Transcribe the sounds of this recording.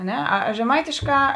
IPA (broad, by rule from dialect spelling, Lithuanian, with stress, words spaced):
ɐ ˈnʲɛ ɐ ɐ ʒʲɛˈmɐɪtʲɪʃˌkɑː